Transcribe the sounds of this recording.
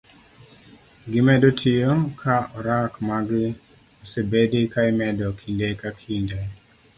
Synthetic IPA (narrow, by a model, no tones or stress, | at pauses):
ɡɪmɛdotʰijokʰaɔɾakmaɡɪ | ɔsebedikaɪmɛdɔkʰindekakʰindɛ